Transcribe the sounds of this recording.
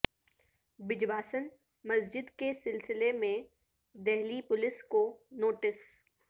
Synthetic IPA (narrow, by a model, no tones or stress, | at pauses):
bɪd͡ʒbaːsən | mɐsd͡ʒɪd̪kesɪlsɪlemẽ | d̪ɛɦlipʊlɪskonoːʈɪs